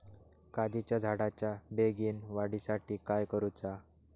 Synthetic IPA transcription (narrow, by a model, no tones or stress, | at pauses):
kad͡ʑit͡ɕjad͡zʱaɽat͡ɕjabeɡiːnʋaɽisaʈiːkajkəɾut͡sa